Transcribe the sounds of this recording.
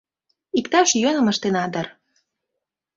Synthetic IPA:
ikt̪ɑʃjønə̆məʃt̪enɑd̪ər

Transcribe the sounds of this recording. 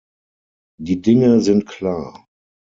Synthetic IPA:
d̥iːdɪŋəzɪntkʰl̥aːɐ

